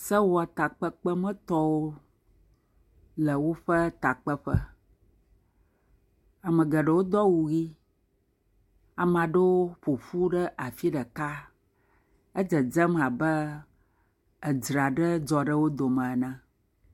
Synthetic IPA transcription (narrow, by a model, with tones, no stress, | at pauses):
sə˦wo˦a˨t̪a˨k͡pə˦k͡pə˦mə̃˦t̪ɔ˦wo˦ | lə˨wo˦ɸə˦t̪a˨k͡pə˦ɸə˦ | a˨mə̃˨ɡə˨ɖə˨wo˦d̪ɔ˦wu˨ɣi˦ | a˨m˦ã˨ɖə˦wo˦ɸo˨fu˦ɖə˦ʔa˨fi˦ɖə˨ka˦ | ə˦d͡ʒə˨d͡ʒə˦m˨a˨bə˦ | ə˨d͡ʒɾa˨ɖə˦d͡ʒɔ˨ɖə˦wo˦d̪o˨mə̃˨nɛ̃˦